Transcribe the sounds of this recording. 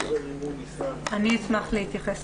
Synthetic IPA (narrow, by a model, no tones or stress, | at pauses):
aniːt͡smaχlehit̪jaχes